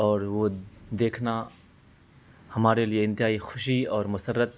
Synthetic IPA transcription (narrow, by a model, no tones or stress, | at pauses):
ɔːɾʋod̪eːkʰna | hɐmaːɾelieɪ̃nt̪ɪɦaːixʊʃiɔːɾmʊsərːət̪̚